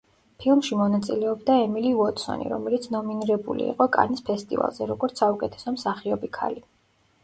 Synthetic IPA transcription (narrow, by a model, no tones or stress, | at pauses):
pʰilˠmʃimɔnat̪sʼilɛɔbd̪aɛmilivɔt̪ʼsɔ̰nḭɾɔ̰mɛlit̪sʰnɔminiɾɛbṵlḭḭqʼɔkʼa̰nispʰɛst̪ʼḭva̰lˠzɛɾɔɡɔɾt̪sʰaukʼɛt̪ʰɛ̥sɔmsaχiɔbikʰa̰li